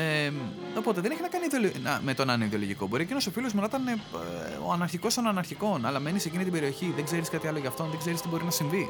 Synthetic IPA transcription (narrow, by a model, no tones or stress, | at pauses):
eo̞po̞t̪eðe̞ne̞çinɐkɐniðiolonɐmet̪o̞nɐneiðiolo̞ʝiko̞bo̞ɾiecʲinoso̞filozmonot̪ɐneo̰ɐnɐɾçiko̞st̪onɐnɐɾçiko̞nɐlɐme̞nise̞cinit̪ibe̞ɾio̞çiðeɡze̞ɾiskɐt̪iɐlo̞ʝɐːft̪o̞nðeɡze̞ɾist̪ibo̞ɾinɐsiɱvi